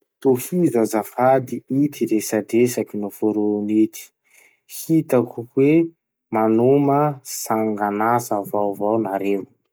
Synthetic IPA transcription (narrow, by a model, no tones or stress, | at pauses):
t̪ofizazafad̪iit̪iɾesaɖ͡ʐesakinufoɾonit̪i̥ | hit̪akukwe | manuməsaŋɡanasavawvawnaɾe